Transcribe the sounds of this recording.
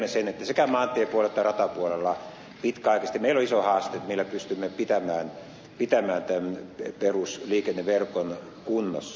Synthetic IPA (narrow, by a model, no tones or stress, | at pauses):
mːesenet̪ːæsekæmɑːnt̪iepuoleet̪ːærɑt̪ɑpuolelːɑ | pit̪kæɑˑikɑst̪imeiloisohɑːst̪eːt̪melːæpyst̪ymːepit̪æmæːn | pit̪æmæːnt̪ænperusliːkenːeʋerkon | kunːo̰sː